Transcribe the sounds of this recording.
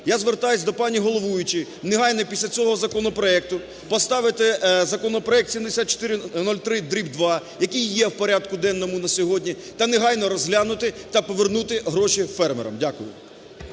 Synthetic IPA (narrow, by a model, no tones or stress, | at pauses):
jazʋert̪ɑjʊsʲd̪ɔpɑnʲiɦɔlˠɔʋujʊt͡ʃɪ | neɦɑjnɔpʲisʲlʲɐt͡sʲɔɦɔzɐkɔnɔpɾɔɛk̚t̪ʊ | pɔst̪ɑʋɪt̪ɪzɐkɔnɔpɾɔɛk̚t̪sʲimd̪esʲat̪̚t͡ʃːɔ̥t̪ɪɾɪnɔlʲt̪ɾɪd̪ɾʲibd̪ʋɑjɐkijːɛwpɔɾʲad̪kʊd̪ɛnːɔmʊnɐsʲɔɦɔdʲnʲi | t̪ɐneɦɑjnɔɾɔzɦlʲanʊt̪ɪt̪ɐpɔʋernut̪ɪɦɾɔʃifɛrmḛɾɐ̰mdʲakʊjʊ̰